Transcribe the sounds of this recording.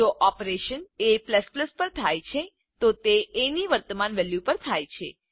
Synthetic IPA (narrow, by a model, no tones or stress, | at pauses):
d͡ʒoʔɔpɾeʃənepləspləspəɾt̪ʰajt͡ʃʰe | t̪ot̪eeniʋəɾt̪əmanʋɛljupəɾt̪ʰajt͡ʃʰe